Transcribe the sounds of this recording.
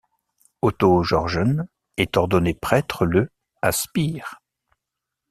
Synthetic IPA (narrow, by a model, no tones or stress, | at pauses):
ot̪oʒɔʁʒən | ɛt̪ɔʁd̪ɔnepχɛt̪χələ | aspiːʁ